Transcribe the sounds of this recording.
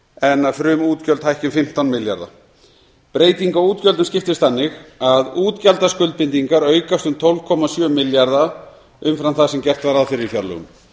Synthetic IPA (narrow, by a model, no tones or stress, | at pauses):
ɛnːaðfɾʏmuːt̪cœlt̪hajhcɪmfɪm̥t̪awnmɪlja̰ɾða̰ | pɾeːjt̪iŋkauːt̪cœlt̪ʏmscɪft̪ɪst̪θanːɪxaðuːt̪calt̪askʏlt̪̚pɪnt̪iŋkaɾœːɥkast̪ʏmt̪ʰɔwlv̥kʰɔmasjœːmɪljaɾða | ʏmfɾanθaðsɛmcɛr̥t̪vaɾaðfɪɾɪɾiθjaɾlʏ̰ɣʏ̰m